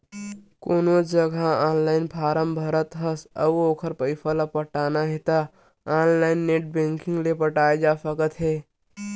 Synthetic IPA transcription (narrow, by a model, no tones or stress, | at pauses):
koːnod͡ʒəɡʱaaːnlaːɪnpʰaːɾəmbʱəɾət̪ɦəsə̰oːkʰəɾpəɪpʰələpəʈaːnaɦet̪a | aːnlaːɪnːeːʈ̚bẽːŋkɪ̃ŋɡlepəʈaːed͡ʒasəkət̪ɦɛː